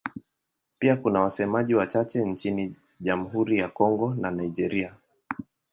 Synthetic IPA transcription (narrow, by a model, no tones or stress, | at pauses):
piakunawasɛmaʄiwat͡ʃat͡ʃɛnt͡ʃini | ʄam̩ɦuɾijakɔŋɡɔnanaid͡ʒɛɾia